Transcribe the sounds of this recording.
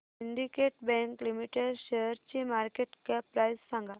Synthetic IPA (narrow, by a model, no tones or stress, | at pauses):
siɳɖikeʈbɛ̃ŋklimiʈeɖɕeəɾt͡ɕimaɾkeʈkapɾajsːãŋɡa